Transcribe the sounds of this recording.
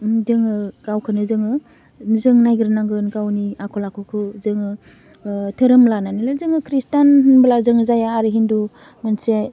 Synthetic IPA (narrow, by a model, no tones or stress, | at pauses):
dɯŋɯɡ̥awkʰɯnɯzɯŋɯ | zɯŋnajɡɯɾɯnaŋɡɯnɡawniakʰɔlakʰɯkʰɯzɯŋɯ | tʰɯɾɯmlananilɯzɯŋɯkʰɾistanhɯnblazɯŋɯzajaːɾɯɦindu | mɯnse